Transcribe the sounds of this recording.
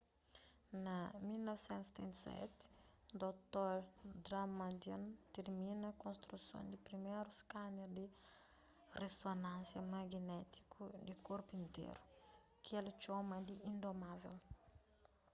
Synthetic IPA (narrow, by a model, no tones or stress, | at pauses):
namilnɔvisɛ̃nt̪se̥t̪ʰɛ̰̃nt̪sɛ̰t̪i̥ | d̪ot̪oɾd̪ɾamad̪ant̪eɾminəkõnst̪ɾusjõ̰nd̪ipɾimeɾuskaneɾd̪i | resonãnsjəmaɡinɛt̪i̥kʰud̪ikɔɾpuĩnt̪ḛɾu̥ | kʰelit͡ʃoməd̪iʔind̪omavḛl